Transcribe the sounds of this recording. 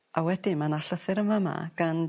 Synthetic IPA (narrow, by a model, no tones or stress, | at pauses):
ʔawɛdɪmanaɬəθɨɾəmama̰ɡ̥an